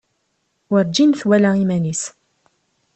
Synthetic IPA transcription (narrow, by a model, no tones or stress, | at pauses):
wəɾd͡ʒinθwælæimænis